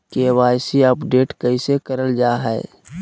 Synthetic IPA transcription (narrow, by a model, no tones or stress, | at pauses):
kewaːjsiəpɖeːʈkəisekəɾəld͡ʒaːɦɛː